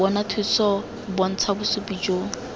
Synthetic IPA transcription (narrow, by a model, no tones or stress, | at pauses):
ɔnatʰit͡sʰɔ | bɔn̩t͡sʰabʊsupid͡ʒoːŋ̩